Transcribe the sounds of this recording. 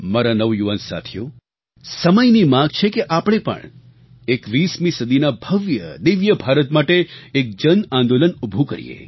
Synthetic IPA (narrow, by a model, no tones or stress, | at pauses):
maɾanəʋjuʋansa̰t̪ʰjo | səməjnimãɡt͡ʃʰekeʔapəɽ̃epə̰ɳ | ekʋismĩsəd̪ʱinabʱəʋjə̰d̪iʋjəbʱaɾət̪maʈeek̚d͡ʒənãnd̪olənubʱukə̰ɾḭjḛ